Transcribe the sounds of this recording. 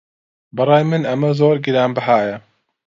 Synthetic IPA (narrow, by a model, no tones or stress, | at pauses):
bɨɾɑːjmɨnɐmɐzoːɾɡiɾaːmbɨɦaːjɐ